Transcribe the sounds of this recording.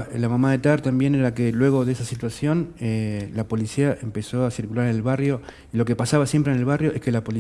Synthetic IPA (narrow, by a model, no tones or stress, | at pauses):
lamamaðet̪aɾt̪ambje̞neɾakelwe̞ɣ̞oðesasit̪wasjo̞nelapo̞lisiaʔempe̞so̞asiɾkulaɾene̞lβarjo̞ | ilo̞kepasaβasje̞mpɾenelβarjo̞ʔe̞hke̞lapo̞li